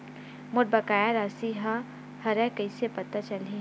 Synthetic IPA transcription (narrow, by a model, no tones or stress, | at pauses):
moɾ̚bɐkaːjaɾasiɦa | hɐɾɛ̃kəɪsepɐt̪at͡ʃɐli